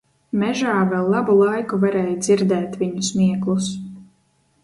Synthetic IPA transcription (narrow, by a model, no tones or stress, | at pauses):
mɛʒaːvɛlˠːɑbulˠajkuvaɾɛːjd̪ziɾd̪ɛːt̪viɲusmiɛklˠus